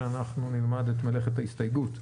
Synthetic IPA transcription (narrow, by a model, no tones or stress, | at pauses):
anaχnunilmad̪et̪mele̞χethaist̪ajɡut